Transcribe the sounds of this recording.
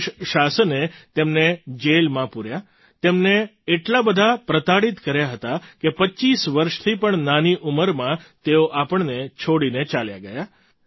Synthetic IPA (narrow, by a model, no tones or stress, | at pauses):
ʃasənet̪emned͡ʒelmãpuɾja | t̪emneːʈlabəd̪ʱapɾət̪aɽit̪kəɾjaɦət̪akepəːt͡ʃisʋəɾʃt̪ʰipəɳnaniʔuməɾmãt̪eoʔapəɳnet͡ʃʰoɽinet͡ʃalja̰ɡəja